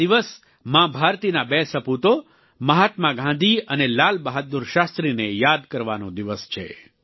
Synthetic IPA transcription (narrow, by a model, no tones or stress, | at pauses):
iʋəs | mãbʱaɾt̪inabesəput̪o | məɦat̪mãɡʱãnd̪ʱiənelalbəɦat̪̚d̪uɾʃast̪ɾinejad̪kəɾʋanõd̪iʋəst͡ʃʰḛ